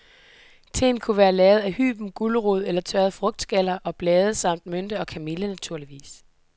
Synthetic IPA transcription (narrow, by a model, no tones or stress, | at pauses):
t͡sʰe̝̰nkʰuʋæːɐlɛːð̩ˠæhy̰ːb̥m̩ɡ̥uləʁuð̞̰ˠelɐt͡sʰɶɐðˠfʁɔ̽ɡ̥̚d̥sɡ̥æl̰ɐʔɒ̽b̥lɛːð̞̩ˠəsɑ̈m̰d̥mønd̥əɒ̽kʰæmilənæt͡sʰuɐ̰liʋḭːs